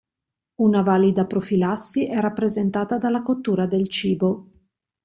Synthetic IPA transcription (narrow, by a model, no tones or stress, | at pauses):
unavaːlid̪apɾofilasːiʔɛrapːɾezent̪aːt̪ad̪alːakot̪ːuːɾad̪elt͡ʃiːbo